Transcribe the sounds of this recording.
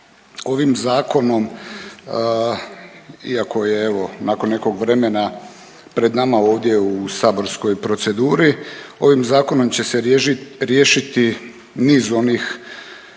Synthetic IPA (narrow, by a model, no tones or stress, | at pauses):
o̞ʋimzaːko̞no̞m | iako̞jeeʋo̞naːko̞nːe̞ko̞ɡʋɾe̞me̞na | pɾe̞d̪namao̞ːʋd̪je̞usabo̞ɾsko̞jpɾo̞t̪se̞d̪uːɾio̞ʋimzaːko̞no̞mt͡ɕe̞seɾjeːʃit̪i | niːzo̞niːx